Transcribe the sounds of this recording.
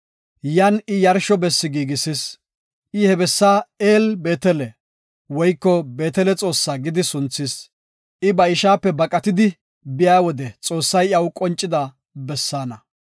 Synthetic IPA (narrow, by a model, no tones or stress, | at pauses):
jɐnɪjɐɾʃɔbɛsːɪɡiːɡɪsɪs | ʔɪhɛbɛsːaːeːlbe̞ːt̪ɛlɛ | wɔjkːɔbe̞ːt̪ɛlɛt͡sʼo̞ːsːaːɡɪd̪ɪsʊnt͡sːɪs | ʔɪbɐɪʃaːpːɛbɐkʼɐt̪ɪd̪ɪ | bɪjaːwɔd̪ɛt͡sʼo̞ːsːɐjɐwkʼɔnt͡ʃʼːɪd̪a | bɛsːaːnɐ